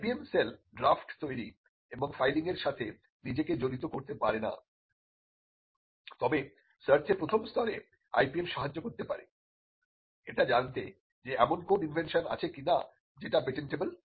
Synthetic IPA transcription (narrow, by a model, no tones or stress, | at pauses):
piemselɖɾafʈt̪ojɾi | eboŋfajliŋeɾʃat̪ʰe | nid͡ʑeked͡ʑoɾit̪okoɾt̪epaɾena̰ | t̪ɔbe | sɐɾt̪ʰepɾot̪ʰomst̪ʰɔɾḛ | a̰jpiemʃaɦad͡ʑːokoɾt̪epa̰ɾḛ | eʈad͡ʑant̪e | d͡ʑeɛmonkoninvʱenʃona̰t͡ɕʰekina̰ | d͡ʑeʈapeʈeɳʈebəl